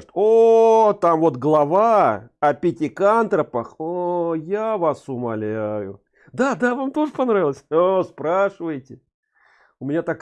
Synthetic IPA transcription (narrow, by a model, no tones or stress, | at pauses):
t̪ot̪amvo̞t̪ɡlˠɐvaɐpʲɪtʲɪkant̪ɾəpəxojavasʊmɐlʲæjʊ | d̪ad̪avamt̪o̞ʐɨpɐnɾavʲɪlˠəsʲospɾaʂɨvəjtʲɪ | ʊmʲɪnʲat̪ak